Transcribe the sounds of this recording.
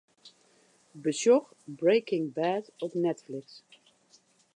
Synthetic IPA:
bəsjɔx | bɹejkɪ̃ŋbæːtɔpnɛtflɪks

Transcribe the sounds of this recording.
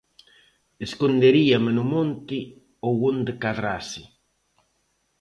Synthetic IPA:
eskund̪eɾiamenʊmont̪i | owund̪ɪkaðɾasi

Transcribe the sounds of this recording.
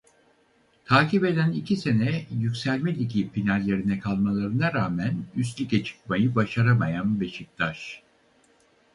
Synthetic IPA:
t̪ʰaːcibe̞d̪ænicʰise̞nɛjycʲsælʲmɛlʲicʲʰipinalʲːe̞ɾinɛkʰalˠmalˠaɾɯnaɾaːmænyst̪lʲicʰɛt͡ʃʰɯ̥k̚majɯbaʃaɾamajanbe̞ʃic̚t̪ʰaʃ

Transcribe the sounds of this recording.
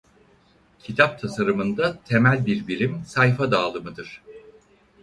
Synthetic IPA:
cʰit̪ʰap̚t̪ʰasaɾɯmɯnd̪at̪ʰe̞mælʲbiɾbilʲimsajfad̪aːlˠɯmɯd̪ɯɾ̥

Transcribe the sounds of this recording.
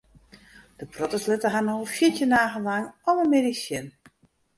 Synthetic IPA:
d̥əprɔtəslɪtəɦanoəfjɪtjənaːɣənlaŋɔvənmedisjɪn

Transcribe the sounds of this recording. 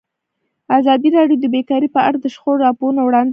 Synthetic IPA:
azɑd̪iɾɑɖjod̪əbekɑɾipəaɽad̪əʃxoɾːɑpoɾnawɽɑnd̪

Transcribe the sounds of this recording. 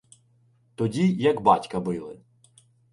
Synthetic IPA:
t̪ɔdʲijɐɡbɑtʲkɐbɪlˠɪ̰

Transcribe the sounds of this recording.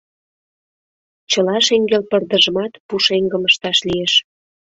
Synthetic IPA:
t͡ɕəlɑʃeŋɡelpərd̪əʒəmɑt̪puʃeŋɡəməʃt̪ɑʃlijeʃ

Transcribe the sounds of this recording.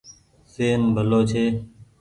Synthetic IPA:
seːnbʱəloːt͡ʃʰeː

